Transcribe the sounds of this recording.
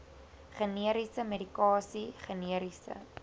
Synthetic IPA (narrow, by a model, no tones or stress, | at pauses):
χəniəɾisəmeɾikɑːsiχəniəɾisə̰